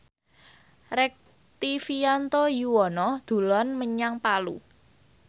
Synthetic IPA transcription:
rɛk̚ | t̪ifijant̪ojuwɔnɔd̪̥ṳlɔnməɲaŋpalṵ

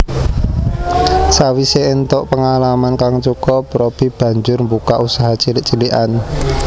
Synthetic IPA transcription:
sawiseent̪ɔʔpəŋalamankaŋt͡ʃukɔpɾob̥i̤b̥ä̤ɲd͡ʒʊrmbukaʔusaɦat͡ʃilɪʔt͡ʃiliʔan

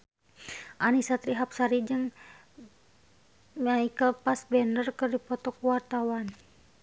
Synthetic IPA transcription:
ʔanisat̪ɾiɦap̚saɾid͡ʒɨŋ | maikapasbɛndərkɨrdipɔt̪ɔkuwart̪awan

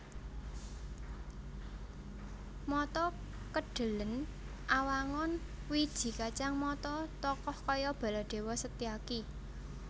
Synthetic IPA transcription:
mɔt̪ɔ | kəɖ̥ə̤lən | ʔawaŋɔn | wid̥ʒ̥i̤kat͡ʃaŋmɔt̪ɔt̪ɔkɔhkɔjɔb̥a̤laɖ̪̥e̤wɔsət̪iaki

